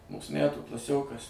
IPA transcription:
ˈmuːs ˈmʲætuː klˠɐˈsʲoːkɐs

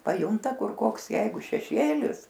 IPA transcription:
pɐˈjʊntɐ ˈkʊr ˈkoːks ˈjɛɪɡʊ ʃʲɛˈʃʲeːlʲɪs

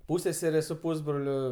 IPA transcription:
ˈpuːsʲsʲɛsʲɛrʲeː sʊ ˈpuːzbroːlʲʊ

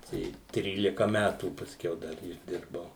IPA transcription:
ˈtɐɪ ˈtʲrʲiːlʲɪkɐ ˈmʲætuː pɐsʲˈkʲɛʊ ˈdɐr ɪʒʲˈdʲɪrbɐʊ

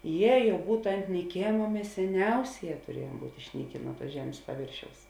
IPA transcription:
ˈjɛ ˈjɛʊ ˈbuːtʊ ɐnt nʲiːˈkʲeːmɐ ˈmʲɛs sʲɛˈnʲɛʊsʲeːˌjɛː tʊrʲiɛjuɔm ˈbuːtʲ ɪʃʲˈnʲiːkʲeː ˈnuɔ ˌtuɔs ˈʒʲæːmʲeːs pɐˈʋʲeːrʲʃʲɛʊs

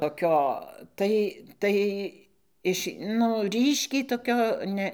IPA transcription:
toːˈkʲoː ˈtɐɪ ˈtɐɪ ˈɪʃ ˈnʊ ˈrʲiːʃʲkʲɛɪ toːˈkʲoː ˈnʲɛ

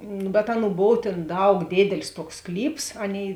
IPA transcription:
nʊ bʲɛt ˈɑːˌnuː ˈboːw tʲeːn ˈdɐʊk ˈdʲeːdʲɛlʲɪs ˈtuɔks ˈsklʲiːps ˈɑːˌnʲeːɪ

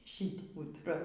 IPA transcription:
ˈʃʲɪt pʊtˈrɐ

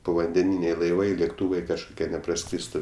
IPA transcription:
poːʋɐnʲdʲɛˈnʲiːnʲɛɪ lˠɐɪˈʋɐɪ lʲeːkˈtuːʋɐɪ kɐʃkʊˈkʲiɛ nʲɛprɐˈskrʲiːstʊ

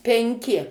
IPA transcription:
pʲɛŋʲˈkʲɪ

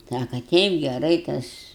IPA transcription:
ˈsɑːkɐ ˈtʲɛɪp ɡʲɛˈrɐɪ ˈtɐs

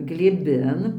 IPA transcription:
ɡlʲeːˈbʲɪn

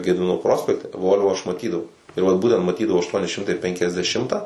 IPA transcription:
ɡʲɛdʲɪˈmʲɪnoː ˈproːsʲpʲɛktʲɛ ˈʋoːlʲʋoː ˈɐʃ mɐˈtʲiːdɐʋɐʊ ɪr ˈʋɐt ˈbuːtʲɛnt mɐˈtʲiːdɐʋɐʊ ɐʃˈtuɔnʲɪ ˈʃʲɪmtɐɪ ˌpʲɛŋʲkʲɛzʲdʲɛˈʃʲɪmtɑː

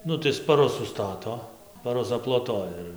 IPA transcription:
ˈnʊ tɐɪ spɐˈrʊs sʊˈstɑːtoː spɐˈrʊs ɐplˠoːˈtoːjɛ ɪr

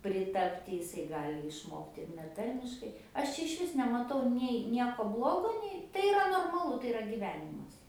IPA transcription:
pʲrʲɪˈtɑːpʲtʲɪ jɪˈsɐɪ ˈɡɑːlʲɪ ɪʃˈmoːktʲɪ ɪr nʲɛˈtɐrʲmʲɪʃkɐɪ ˈɐʃ t͡ʃʲɛ ɪʃʲˈʋʲɪs nʲɛmɐˈtɐʊ nʲɛɪ ˈnʲiɛkoː ˈblˠoːɡoː ˈnʲɛɪ ˈtɐɪ ɪˈrɐ noːrmɐˈlˠʊ tɐɪ ɪˈrɐ ɡʲiːˈʋʲæːnʲɪmɐs

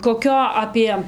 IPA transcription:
koːˈkʲoː ɐpʲiɛ

